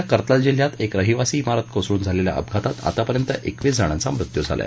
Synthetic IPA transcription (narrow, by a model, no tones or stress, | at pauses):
akəɾt̪əld͡ʑeljat̪ekɾəɦiʋasiːmaɾət̪̚kʰosɾuːnd͡zʱalelja̰ʔə̰b̚ɡʱat̪at̪a̰t̪apəɾjənt̪əʔekʋiːd͡zəɽ̃ãnt͡samɾut̪jud͡zʱa̰lj̰a̰